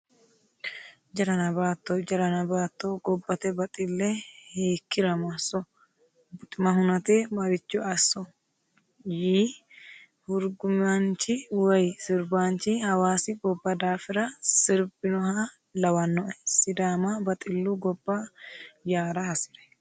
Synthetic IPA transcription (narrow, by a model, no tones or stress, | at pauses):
d͡ʒɐɾɐnɐbaːt̪ːɔd͡ʒɐɾɐnɐbaːt̪ːoɡɔbːɐt̪ɛbɐt̪ʼɪlːɛheːkːɪɾɐmɐsːɔ | bʊt̪ʼɪmɐɦʊnɐt̪ɛmɐɾɪt͡ʃːʊʔɐsːɔ | jiː | hʊɾɡʊmant͡ʃɪwɐjsɪɾbaːnt͡ʃɪhɐwaːsɪbɔbːɐd̪aːfɪɾɐsɪɾbɪnɔha | lɐwɐnːɔʔɛsɪd̪aːmabɐt̪ʼɪlːuɡɔbːɐjaːɾɐhɐsɪɾɛ̥